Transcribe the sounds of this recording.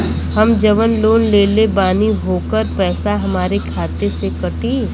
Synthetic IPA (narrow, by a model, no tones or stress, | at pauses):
hɐmd͡ʒəʋənloːnleːlebaːniɦoːkəɾpɛːsaɦɐmaːɾekʰaːt̪esekɐʈiː